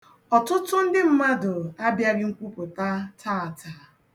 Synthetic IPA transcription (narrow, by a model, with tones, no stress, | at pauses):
ɔ˨tʊ˦tʊ˦n̩˦dɪ˦m̩˦ma˦dʊ˨a˦bja˦ɾɪ˦ŋ̩˦kʷu˦pʊ˨ta˦tʰa˦˨a˨ta˨